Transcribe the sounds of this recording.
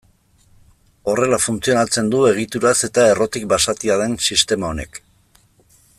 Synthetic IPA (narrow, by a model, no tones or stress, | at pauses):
o̞re̞lafunt͡sio̞nat͡se̞nd̪ue̞ɣ̞it̪uɾase̞t̪ae̞ro̞t̪ik̚basat̪iað̞e̞nsist̪e̞mao̞ne̞k